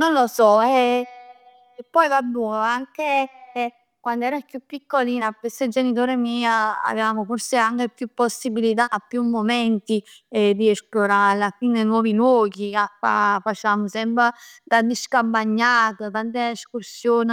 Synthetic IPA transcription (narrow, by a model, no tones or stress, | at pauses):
nonlosɔɛ | pːɔjvabuaŋke | kwand̪oɛːɾakjupːikːolinapːest̪ed͡ʒenit̪̬oːɾemiːaa̰veaːmoforseaŋk̟epjupːosːibilit̪̬aːpːjumːomɛnt̪id̪iɛsploɾalakwind̪enwɔːvilwɔːɡiafa̰fat͡ʃaːmosɛmpɾad̪ad̪iskambaɲːaːt̪at̪ant̪̬eeskursjoːn